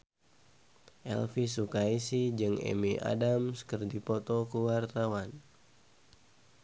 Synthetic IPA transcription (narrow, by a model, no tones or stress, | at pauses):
ʔɛ̰lfisukaisid͡ʒɨŋɛ̰miʔa̰damskərdipɔt̪ɔkuwart̪awan